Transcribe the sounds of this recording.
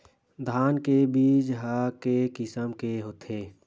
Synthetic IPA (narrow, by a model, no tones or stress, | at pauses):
d̪ʱaːnkebiːd͡ʒɦəkekɪsəmkeɦoːt̪ʰeː